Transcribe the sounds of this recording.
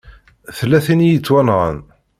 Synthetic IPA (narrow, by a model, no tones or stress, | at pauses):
θəlːæθinijət͡sːwænʁə̰n